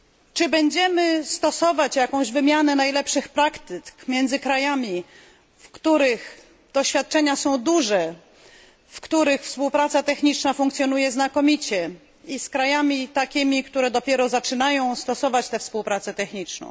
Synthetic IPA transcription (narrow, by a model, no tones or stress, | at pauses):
t͡ʂɘbɛɲd͡ʑɛmɘst̪ɔsɔvat͡ɕjakɔ̃w̃ʑvɘmʲjanɛnajlɛpʂɘxpɾakt̪ɘkmʲjɛnzɘkɾajamʲi | fkt̪uɾɘx | d̪̥ɔɕfʲjat̪̚t͡ʂɛɲasɔ̃w̃d̪uʐɛ | fkt̪uɾɘxfspuwpɾat̪sat̪ɛxɲit͡ʂnafũŋkt̪sʲjɔnujɛznakɔmʲit͡ɕɛ | iskɾajamʲit̪akʲimʲikt̪uɾɛd̪ɔpʲjɛɾɔzat͡ʂɘnajɔ̃w̃st̪ɔsɔvat͡ɕt̪ɛfspuwpɾat̪sɛt̪ɛxɲit͡ʂnɔ̰̃w̃